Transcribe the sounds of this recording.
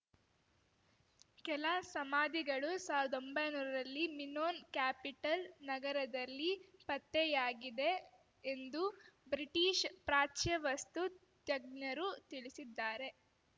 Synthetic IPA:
kɛlasɐmaːd̪ʱiɡɐɭusaːwʋiɾɐd̪ombɐjnuːɾɐɾɐlːiminoːnkjaːpiʈɐlnɐɡɐɾɐd̪ɐlːipɐt̪ːɛjaːɡid̪e̞ː | nd̪ubɾiʈiːʃpɾaːt͡ʃjɐʋɐst̪ut̪jɐɡ̚njɐɾut̪iɭisid̪ːaːɾe̞

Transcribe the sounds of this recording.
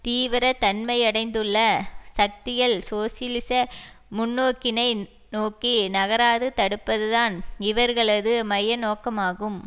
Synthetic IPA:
t̪iːʋɪɾɐt̪ɐnmɐɪɐɽɐɪnd̪ɯɭːɐsɐk̚t̪ɪjɐlsoːsɪlɪsɐ | mʊnːoːkːɪnɐɪ | noːkːinɐɣɐɾaːðɯt̪ɐɽɯpːɐðɯðaːnɪʋɐɾɣɐɭɐðɯmɐjɐnoːkɐmaːɣɯm

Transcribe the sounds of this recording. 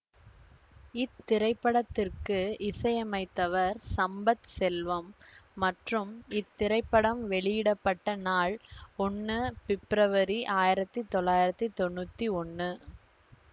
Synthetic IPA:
ɪt̪ːɪɾɐɪpːɐɽɐt̪ːɪrkɯɪsɐjɐmɐɪt̪ːɐʋɐɾsɐmbɐt̪sɛlʋɐmːɐʈrɯmɪt̪ːɪɾɐɪpːɐɽɐmʋɛɭɪjɪɽɐpːɐʈːɐnaːɭɔɳːɯpɪpɪɾɐʋɐɾiʔaːjɪɾɐt̪ːit̪ɔɭːaːjɪɾɐt̪ːɯt̪ɔɳːuːt̪ːiɔɳːɯ

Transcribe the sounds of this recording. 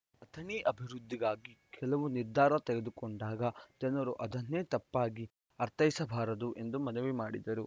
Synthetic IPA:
ɐt̪ʰɐneːʔɐbʱiɾud̪ʱːiɡaːɡikʰɛlɐʋuniɾd̪ʱaːɾɐt̪ɛɡed̪ukoɳɖaːɡɐd͡ʒɐnɐɾuʔɐd̪ʱɐnːeːt̪ɐpːaːɡi | ɐɾt̪ʰɐjsɐbʱaːɾɐd̪uʔe̞nd̪umɐnɐʋimaːɽid̪ɐɾu

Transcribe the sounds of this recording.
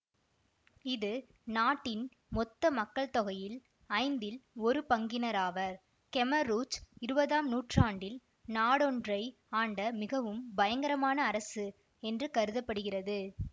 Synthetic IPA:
ɪðɯ | naːʈːɪn | mɔt̪ːɐmɐkːɐɭt̪ɔɣɐjɪl | ɐɪnd̪ɪlɔɾɯpɐŋɡɪnɐɾaːʋɐɾ | kɛmɐɾuːt͡ʃɪɾɯbɐðaːmnuːʈraːɳɖɪl | naːɽɔɳdrɐɪ | aːɳɖɐmɪɣɐʋɯmbɐjɐŋɡɐɾɐmaːnɐːɾɐsɯ | ɛndrɯkɐɾɯðɐpːɐɽɯɣɪrɐðɯ

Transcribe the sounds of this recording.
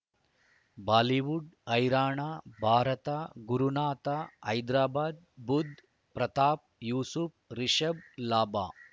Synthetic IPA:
baːliʋuɖɐjɾaːɳaːbʱaːɾɐt̪aɡuɾunaːt̪aɐjd̪ɾaːbaːd̪̚bud̪ʱ | pɾɐt̪aːp̚juːsup̚ɾiʃɐblaːba̰ː

